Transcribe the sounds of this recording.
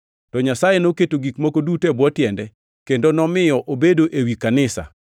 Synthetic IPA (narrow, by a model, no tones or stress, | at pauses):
tɔɲasajenoketoɡikmokodutɛbwɔtjɛndɛ | kendonɔmɪjɔʔobedoʔewikanɪsa̰